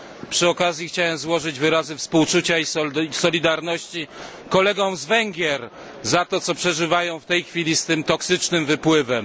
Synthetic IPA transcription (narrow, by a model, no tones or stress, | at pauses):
pʂɨɔkazʲjixt͡ɕawɛmzwɔʐɘd͡ʑvɘɾazɘfspuwt͡ʂut͡ɕaisɔlʲid̪aɾnɔɕt͡ɕi | kɔlɛɡɔ̃w̃zvɛŋɡʲjɛɾ | zat̪ɔt̪sɔpʂɛʐɘvajɔ̃w̃ft̪ɛjxfʲilʲist̪ɘmt̪ɔksɘt͡ʂnɘmvɘpwɘvɛm